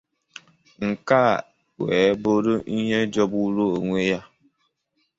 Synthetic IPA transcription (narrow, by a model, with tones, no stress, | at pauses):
ŋ̩˨ka˦˨ | wɛː˨˦bo˦ɾo˦ʔi˦ɦe˦d͡ʒɔ˦bu˦ɾo˦o˨ŋʷe˦ja˦